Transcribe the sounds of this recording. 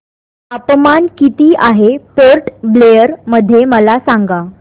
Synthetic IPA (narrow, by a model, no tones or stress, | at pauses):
əpmankit̪iːaɦepoɾʈblejəɾməd̪ʱːjeməlasaŋɡa